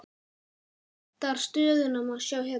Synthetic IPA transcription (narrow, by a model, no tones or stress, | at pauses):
t̪aɾ̥st̪œːðʏnamaðsjaːwɦɛ